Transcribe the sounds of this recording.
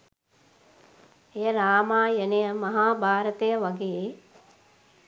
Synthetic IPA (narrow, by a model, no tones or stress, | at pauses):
ejəɾaːmaːjənejəmɐɦaːbʱaːɾət̪ejəʋɐɡe